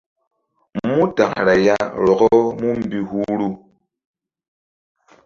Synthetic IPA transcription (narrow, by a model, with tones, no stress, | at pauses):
mu˦ta˨ŋ˨ɾa˨ja˦ɾɔ˨kɔ˦mu˦m̩˨bi˦hu˦ɾu˦˨